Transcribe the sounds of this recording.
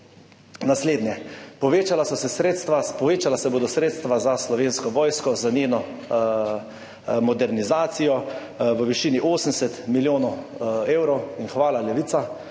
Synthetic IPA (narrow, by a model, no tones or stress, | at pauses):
nasleːd̪nɲjɛpɔʋeːt͡ʃalasɔsɛsɾeːt̪st̪ʋapɔʋeːt͡ʃalasɛboːd̪ɔsɾeːt̪st̪ʋazaslɔʋeːnskɔʋɔːjskɔzaneːnɔ | mɔd̪ɛɾnizaːt̪sijɔ | ʋəʋiʃiːniʔoːsəm̩sɛt̪miljoːnɔweːwɾɔwinxʋaːlalɛʋiːt̪sa